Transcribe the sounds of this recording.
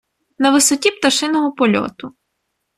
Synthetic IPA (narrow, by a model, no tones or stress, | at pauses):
nɐʋɪsɔtʲipt̪ɐʃɪnɔɦɔpɔlʲɔ̰t̪ʊ